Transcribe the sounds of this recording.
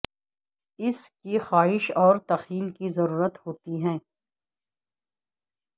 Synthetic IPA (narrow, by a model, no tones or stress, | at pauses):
ɪskixaːɦɪʃɔːɾt̪ɐxiːlkizɐɾuːɾət̪hoːt̪iɦɛ̃ː